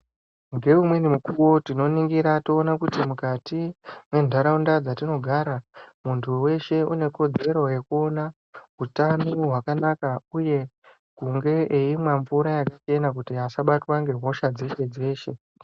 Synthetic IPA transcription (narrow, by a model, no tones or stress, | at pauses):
ŋɡe̞umwe̞nimukuwo̞tino̞niŋɡiɾato̞ːnakutimukatiwe̞ndʱaɾaundad͡zatino̞ɡʱaɾamuntʰuwe̞ʃe̞une̞ko̞d͡ze̞ɾo̞je̞kuo̞na | ɦutanuɦwakanakauje̞ | ɡʱuŋɡe̞ʔeimwaɱvuɾajakat͡ʃe̞nak̬utiasaɓatwaŋɡe̞ɦo̞ʃad͡zeʃe̞d͡ze̞ːʃe̞